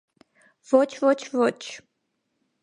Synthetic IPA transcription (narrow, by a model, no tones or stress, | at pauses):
v̥ɔt͡ʃʰvɔt͡ʃʰvɔt͡ʃʰ